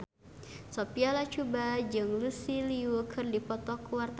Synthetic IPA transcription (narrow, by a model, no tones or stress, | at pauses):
sɔpialat͡ʃubad͡ʒɨŋlusiliukʰɨrdipɔt̪ɔkuwart̪